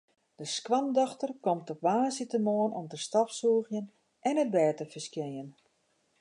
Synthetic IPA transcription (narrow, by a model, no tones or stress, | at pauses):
d̥əskʋamdɔxtərkɔmtɔpʋaːsitəmoənɔmtəstɔpsuːəɣjən | ʔɛnət̚bɛːtəfərskjejən